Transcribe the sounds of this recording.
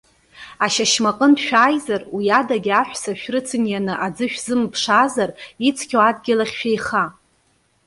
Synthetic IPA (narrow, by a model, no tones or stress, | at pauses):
aʃaʃmaqʼəndʃᶣaːjzarwiadaɡʲaħʷᶣsaʃᶣrɨt͡sʰɨnjanɨʔad͡zɨʃᶣzɨmpʰʂazarit͡sʰkʲʰoad̚ɡʲɪlaχʲʃᶣejχa